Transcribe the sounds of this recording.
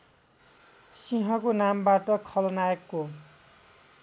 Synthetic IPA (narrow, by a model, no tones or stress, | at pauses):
siɦʌkonambaʈʌkʰʌlʌnaekːo